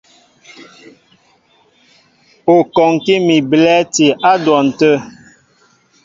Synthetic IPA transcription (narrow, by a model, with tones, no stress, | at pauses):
o˨kɔ˨ŋ˨ki˦mi˨blɛ˦ti˨ʔa˦dwɔ˨n̩˨tə˦